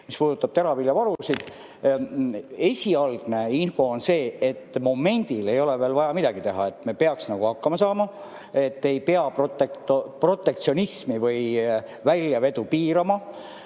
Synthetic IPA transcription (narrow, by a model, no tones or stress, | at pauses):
mispuːd̪ut̪ːˑɑb̥t̪eɾɑvilʲjɑvɑɾusid̪̥ | e̞sʲiɑlɡ̥ne̞info̞ːonse̞ːet̪ːmo̞me̞nʲd̪̥ile̞jo̞le̞veːlvɑjɑmid̪ɑɡ̥it̪e̞ɦɑ̰e̞t̪ːˑme̞pe̞ɑksnɑɡ̥uhɑkːɑmɑsɑːmɑ | e̞t̪ːe̞jpe̞ɑprot̪ekt̪opro̞t̪ːˑe̞k̚t̪sio̞nismivɤj | vælʲːjɑve̞d̪upiːɾɑmɑ